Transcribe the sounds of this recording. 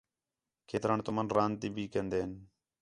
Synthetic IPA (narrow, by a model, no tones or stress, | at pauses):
kʰeːt̪ɾaːɳt̪ʊmanɾãːnt̪iːbʱiːkənd̪eːɦən